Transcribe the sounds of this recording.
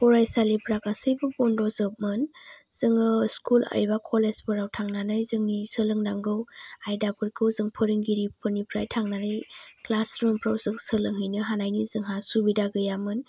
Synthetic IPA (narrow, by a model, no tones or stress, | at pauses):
pɔɾajsalipʰɾakasɯjbɯbɔndɔzɯp̚mɯnz̥ɯŋɯskula̰jbakʰɔlezpɯɾawtʰaŋnanajzɯŋnisɯlɯŋdaŋɡɯwajdapʰɯjkʰɯwzɯŋpʰɯɾiŋɡiɾipʰɯɾnipʰɾa̰jtʰaŋnanajklasɾɔmpʰɾawzɯŋsɯlɯŋɦɯjnɯɦanajnizɯŋɦasubidaɡɯjamɯn